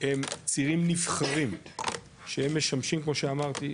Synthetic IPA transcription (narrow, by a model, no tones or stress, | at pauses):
hemt͡siʁimnifχaʁim | ʃeemːe̞ʃamʃimkmo̞ʃeamaʁt̪i